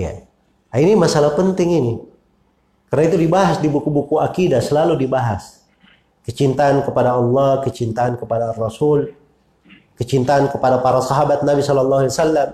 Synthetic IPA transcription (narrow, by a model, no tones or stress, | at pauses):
ja̰ | ainimasalahpənt̪ɪŋini | kərnait̪udibaɦasdibukubukuakidasəlaludibaɦas | kət͡ʃint̪aːnkəpadaɑlːɑhkət͡ʃint̪aːnkəpadaːrːɔsul | kət͡ʃint̪aːnkəpadapaɾasɑɦabat̪̚nabisɔlɔlːɑɦuiwasalːam